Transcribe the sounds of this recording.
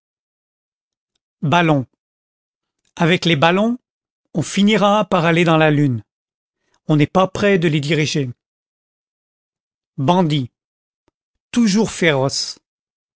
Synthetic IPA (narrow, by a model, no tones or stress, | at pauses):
balɔ̃ | avɛklebalɔ̃ | ɔ̃finiʁapaʁaled̪ɑ̃lalyn | ɔ̃nɛpapχɛd̪əled̪iʁiʒe | bɑ̃d̪i | t̪uʒuʁfeʁɔs